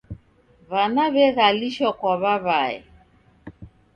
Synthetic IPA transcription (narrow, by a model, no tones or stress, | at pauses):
βanaβɛɣaliʃɔkwɔβaβaɛ̰